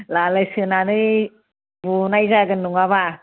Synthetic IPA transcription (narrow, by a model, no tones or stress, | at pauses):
laləjsɨənaːnəj | vunajzaːɡənːuŋaβa